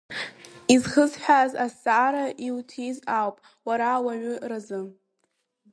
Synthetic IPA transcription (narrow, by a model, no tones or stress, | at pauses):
izχəzħʷᶣazasaːɾaʔiwtʰizawpʼ | waɾawaʕʷʏrazɨ